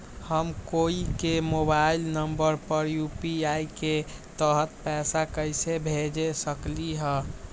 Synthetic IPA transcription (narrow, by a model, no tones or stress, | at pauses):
həmkoikemobailnəmbəɾpəɾjupiaiket̪əɦət̪̚pɛsakəjsebʱed͡ʒesəkliɦə